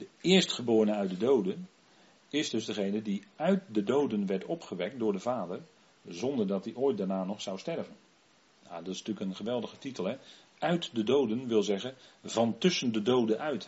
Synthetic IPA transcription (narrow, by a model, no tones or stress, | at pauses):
dəɪːɹstχəbʊːɹənəœɥt̚dədowdən | ɪzdɵzdəχejnədiœɥt̚dədowdənʋɛɹtɔpχəʋɛk̚tdʊːɹdəvaːdər | zɔndəɹdɑt̚diʔoːjt̚daɹnaːnɔχsʌwstɛɹvən | ja̰ːdɑtɪsntyːkənχəʋɛlˠdəɣətitəlˠɦɛ | œɥtdədowdənʋɪlˠzɛɣənvɑntɵsəndədowdənʔœɥt